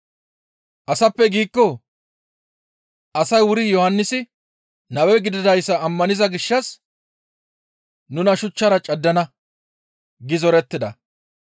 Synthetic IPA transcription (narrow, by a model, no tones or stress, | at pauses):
ʔɐsɐpːɛɡiːkːɔ | ʔɐsɐjwʊɾɪjɔhɐnːɪsɪ | nɐwɛjɡɪd̪ɪd̪ɐjsːɐːmːɐnɪzɐɡɪʃːɐs | nʊnɐʃʊt͡ʃːɐɾɐt͡ʃʼɐd̪ːɐnɐ | ɡɪzɔɾɛt̪ːɪd̪ɐ̰